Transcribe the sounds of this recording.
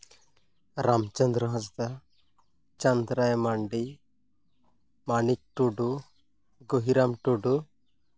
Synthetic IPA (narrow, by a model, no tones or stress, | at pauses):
ɾamt͡ʃənd̪ɾəɦɔsd̪a | t͡ʃand̪ɾajmaɳɖi | manik̚ʈuɖu | ɡoɦiɾamʈuɖu